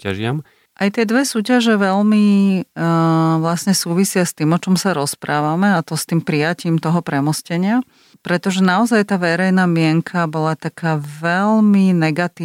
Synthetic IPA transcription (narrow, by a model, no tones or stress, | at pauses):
a̰ʒɪa̰m | ʔajt̪ɪɛd̪ʋɛsuːcaʒɛʋɛlmi | ʋlasɲɛsuːʋisɪast̪iːmɔt͡ʃɔmsaɾɔspɾʔaːʋamɛat̪ɔst̪iːmpɾijaciːmt̪ɔɦɔpɾɛmɔscɛɲɪa | pɾɛt̪ɔʒɛnaɔzajt̪aːʋɛɾɛjnaːmɪɛŋkʰabɔlat̪akʰaːʋɛlminɛɡat̪iː